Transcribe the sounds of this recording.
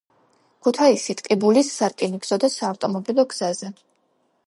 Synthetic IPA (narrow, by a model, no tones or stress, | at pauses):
kʰut̪ʰaisit̪ʼqʼibulisːaɾkʼiniɡz̥ɔd̪asaːft̪ʼɔmɔbilˠɔɡz̥azɛ